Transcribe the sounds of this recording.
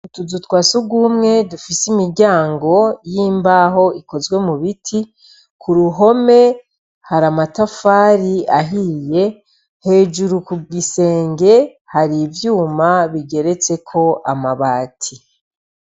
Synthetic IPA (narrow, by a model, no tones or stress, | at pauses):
utuzutwaːsuɡumŋe̞dufisimiɾɟaːŋɡo̞jiːmbaɦo̞iko̞zɡwe̞muβitʰi | kʰuɾuɦo̞me̞ | haɾamatafaːɾiaɦije̞ | he̞ːd͡ʒuɾukuɡise̞ːŋɡe̞ | haɾivjuːmaβiɟe̞ɾe̞t͡se̞kʰo̞ʔamaβaːtʰi